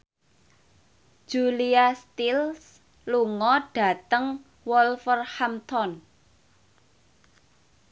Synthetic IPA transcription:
d͡ʒ̥uliast̪ils | luŋɔɖ̥a̤t̪əŋ | wɔlfərhamt̪ʰɔn

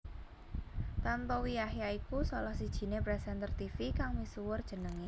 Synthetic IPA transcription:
t̪ant̪ɔwijahjaikusɔlɔhsid̥ʒ̥i̤neb̥ɾasant̪ərt̪ifikaŋmisuwʊrd̥ʒ̥ə̤nəŋi

